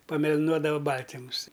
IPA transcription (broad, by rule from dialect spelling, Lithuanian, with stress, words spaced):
pɐmʲɛlʲɪˈnuɔdɐʋɐ ˈbɐlʲtʲɪmʊs